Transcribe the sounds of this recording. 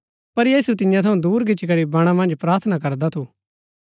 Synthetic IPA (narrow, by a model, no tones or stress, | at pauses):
pɐɾjiːsut̪ɪjãt̪ʰɐũd̪uːɾɡɪt͡ʃkɐɾibɐɽ̃ãmɐ̃nd͡ʒpɾaːɾt̪ʰənakɐɾd̪at̪ʰuː